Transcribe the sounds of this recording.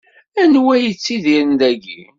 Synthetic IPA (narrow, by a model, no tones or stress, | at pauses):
ænwæjət͡sːiðiɾənd̪æɡḭ